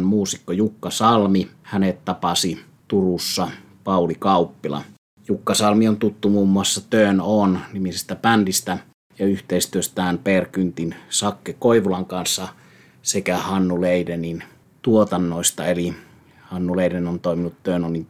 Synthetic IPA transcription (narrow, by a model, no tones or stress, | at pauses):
nmuːsikːojukːɑsɑlmihænet̪t̪ɑpɑsi | t̪urusːɑ | pɑˑulikɑˑupːilɑ̰ | jukːɑsɑlmiont̪ut̪ːumuːmːuɑsːɑt̪øˑnonnimisest̪æpændist̪æ | jɑyht̪eˑist̪yøst̪æːnperkynt̪insɑkːekoiʋulɑŋkɑnsːɑ | sekæhɑnːuleˑidenin | t̪uot̪ɑnːoˑist̪ɑeli | hɑnːuleˑidenont̪oˑiminut̪tønonːin